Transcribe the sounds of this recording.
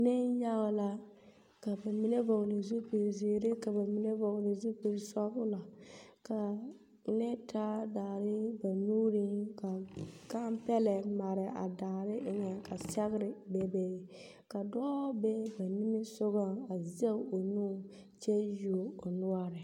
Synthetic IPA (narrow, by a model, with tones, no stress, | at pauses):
nɪ˦nja˦la˦ | ka˨ba˨mi˨˦ne˦vo˨ɣlɪ˨zu˦pe˨ɾziː˨ɾɪ˦ka˨ba˨mi˦ne˦vɔ˨ɣlɪ˨zu˦pe˨ɾsɔ˦bʊ˦la˨ka˨ | nɛ˦tʰa˦daː˨ɾɪ˦ba˨nuː˦ɾi˦ŋka˨ka˦mpɛ˦lɛ˨ma˨ɾɪ˨ʔa̰˨daː˨ɾɪ˦ʔɪ˦ɲɛ˨ka˨sɛ˦ɣɪ˦ɾɪ˨bɛ˨bɛ˨ɪ˨ | ka˨dɔː˦bɛ˦ba˨ni˦mɪ˦sʊ˦ɣa˦a˨ze˦o˨nuː˦ | t͡ʃɛ˦ju˨o˨nʊ˦a˦ɾɪ˨